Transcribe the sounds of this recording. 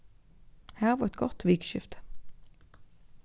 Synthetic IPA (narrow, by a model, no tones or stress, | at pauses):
hæːvaɛt̪̚ɡɔt̪viːkʃɪft̪